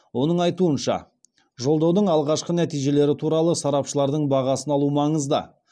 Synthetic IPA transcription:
wo̞nəɴɑjt̪uənʃɑ̰ | ʒo̞lˠd̪ɑwd̪əɴɑlˠʁɑʃqənæt̪ijʒe̞le̞ɾɪt̪ʰuɾɑlˠəsɑɾɑpʃəlˠɑɾd̪əɴbɑʁɑsənɑlˠumɑɴəzd̪ə̰

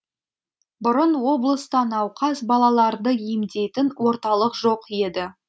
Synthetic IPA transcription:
bʊɾənwo̞blˠəst̪ɑnɑwqʰɑsbɑlˠɑlˠɑɾd̪əijmd̪e̞jt̪ɪnwo̞ɾt̪ɑlˠəqʒo̞qje̞d̪ɪ

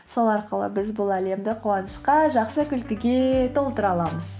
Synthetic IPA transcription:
so̞lˠɑɾqəlˠə̰bɪzbʊlˠæle̞md̪ɪqʰoɑnəʃqɑʒɑqsəkʲʏlkʲɪɡʲe̞t̪ʰo̞lˠt̪əɾɑlˠɑməz̥

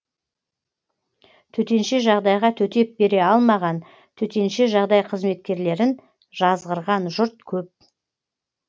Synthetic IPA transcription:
t̪ʰɵt̪e̞nʃeʒɑʁd̪ɑjʁɑt̪ʰɵt̪e̞p̚be̞ɾe̞ɑlˠmɑʁɑn | t̪ʰɵt̪e̞nʃe̞ʒɑʁd̪ɑjqʰəzme̞t̪̚kʲe̞ɾle̞ɾɪn | ʒɑzʁəɾʁɑnʒʊɾt̪̚kʲʰɵp̚

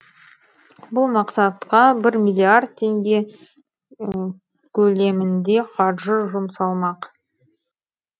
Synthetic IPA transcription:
bʊlˠmɑqsɑt̪qɑbɪɾmʲilʲːiard̪̚t̪ʰe̞ŋɡʲe̞ | kʲʰɵle̞mɪnd̪e̞qʰɑɾʒəʒʊmsɑlˠmɑq

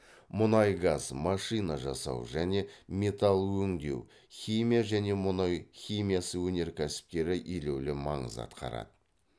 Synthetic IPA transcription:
mʊnɑjɡɑz̥mɑʃɨjnɑʒɑsɑ̰wʒæne̞me̞t̪ɑlˠwɵŋd̪e̞̰w | χʲimijaʒæne̞mʊnɑjχʲimʲijasəwɵne̞ɾkʲʰæsɪ̥p̚t̪e̞ɾɪʔile̞wlɪmɑɴə̰zɑ̰t̪qɑ̰ɾɑ̰d̪ə

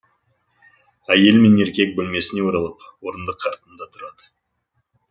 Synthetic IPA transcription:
æje̞lme̞ne̞ɾkʲe̞k̚bɵlme̞sɪne̞woɾɑlˠəp̚wo̞ɾənd̪əqʰːɑɾt̪ənd̪ɑt̪ʰʊɾɑd̪ə

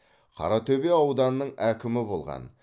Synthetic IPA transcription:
qʰɑ̰ɾɑt̪ʰɵbe̞ɑwd̪ɑnnːəɴækʲɪmɪbo̞̰lˠʁɑ̰n

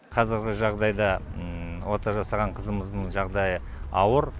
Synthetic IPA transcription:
qʰɑzɪɾɡʲɪʒɑʁd̪ɑjd̪ɑ | wo̞t̪ɑʒɑsɑʁɑɴqʰəzəməzd̪əɴʒɑʁd̪ɑjə | ɑwəɾ

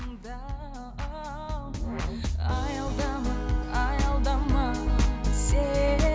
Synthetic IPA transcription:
d̪a | ajald̪amaajald̪amase

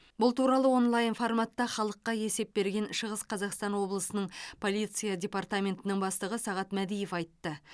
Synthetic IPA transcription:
bʊlˠt̪uɾɑlˠəwo̞nlˠajnformat̪ːɑχɑlˠəqːɑje̞se̞p̚be̞ɾɡʲe̞nʃəʁəsqʰɑzɑqst̪ɑnwo̞blˠəsənəɴpʰo̞lʲˠijt̪sɨjadʲe̞part̪amʲe̞nt̪ɪnɪŋbɑst̪ˠəʁəsɑʁɑt̪mæd̪ije̞fɑjt̪ːə

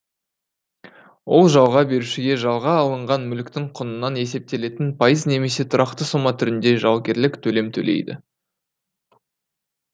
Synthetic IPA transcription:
wo̞lˠʒɑwʁɑbe̞ɾuʃɪɡʲe̞ʒɑlˠʁɑːlˠəɴʁɑnmʏlkt̪ɪŋqʰʊnənːɑne̞se̞p̚t̪e̞le̞t̪ɪnpʰɑjəzne̞me̞se̞t̪ʰʊɾɑq̚t̪əsomɑt̪ʰʏɾɪnd̪e̞ʒɑwɡʲe̞ɾlɪkt̪ʰɵle̞mt̪ʰɵ̰lḛjd̪ɪ̰

